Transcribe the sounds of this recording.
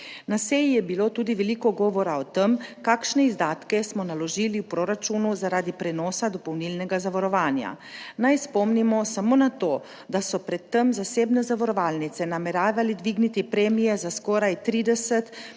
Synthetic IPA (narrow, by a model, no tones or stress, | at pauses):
naseːjijɛbiloːt̪uːd̪iʋɛliːkɔɡɔːʋɔɾaɔt̪emkaːkʃnɛizd̪aːt̪kɛsmɔnalɔʒiːliwpɾoɾat͡ʃunuzaɾaːd̪ipɾɛnɔːsad̪ɔpɔwnilnɛɡazaʋaɾɔʋaːnja̰ | najspɔmnimɔsamoːnat̪oː | d̪asɔpɾɛt̪ːɛmzaseːbnɛzaʋaɾɔʋaːlnit̪sɛnamɛɾaːʋalid̪ʋiːɡnit̪ipɾɛːmijɛzaskɔːɾajt̪ɾiːd̪ɛsɛt̪